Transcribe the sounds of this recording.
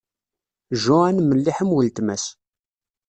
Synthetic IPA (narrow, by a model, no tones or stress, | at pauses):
ʒʊanməlːiħəmwəlt̪mæs